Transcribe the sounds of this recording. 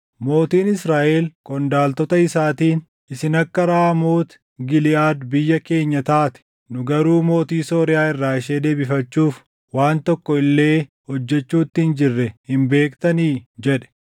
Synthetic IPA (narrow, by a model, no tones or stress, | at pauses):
mo̞ːt̪iːnɪsɾaːʔeːlkʼɔnd̪aːlt̪ɔt̪ɐɪsaːt̪iːn | ʔɪsɪnɐkːɐɾaːmoːt̪ | ɡɪlɪaːd̪bɪjːɐke̞ːɲːɐt̪aːt̪ɪ̥ | nʊɡɐɾuːmo̞ːt̪iːso̞ːɾɪjaːɪrːaːɪʃe̞ːd̪e̞ːbɪfɐt͡ʃːuːf | waːnt̪ɔkːɔɪlːe̞ː | hɔd͡ʒːɛt͡ʃːuːt̪ːɪnd͡ʒɪrːɛhɪmbe̞ːkt̪ɐniːd͡ʒɛᶑɛ̥